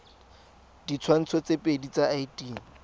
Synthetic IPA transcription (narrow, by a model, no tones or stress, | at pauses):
dit͡sʰwan̩t͡sʰɔt͡sepʼedit͡saaitʼiːn̩